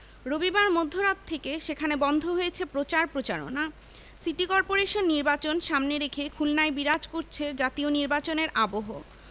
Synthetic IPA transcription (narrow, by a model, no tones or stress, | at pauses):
ɾobibaɾmod̪ʱːoɾat̪ʰːekeʃekʰanebɔnd̪ʱoɦojet͡ɕʰepɾot͡ɕaɾpɾot͡ɕaɾo̰na | siʈikɔɾpoɾeʃonːiɾbat͡ɕonʃamneɾekʰekʰulnaebiɾad͡ʑkoɾt͡ɕʰeɾd͡ʑat̪ioniɾbat͡ɕoneɾʔaboɦo